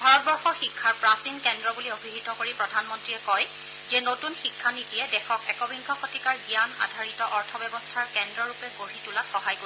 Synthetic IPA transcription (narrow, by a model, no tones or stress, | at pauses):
bʱaɹɔt̚bɔɹxɔxikʰːaɹpɹastinkɛndɹɔbuliobʱiɦitɔkoɹipɹɔdʱanmɔntɹiɛkɔj | zɛnotunxikʰːanitijɛdɛxʰɔkɛkɔbiŋɡʰʱɔxotikaɹzijana̰dʱaɹitɔʔɔɹtʰɔbɛbɔstʰaɹkɛndɹɔɹupɛɡoɹitulatxɔɦajko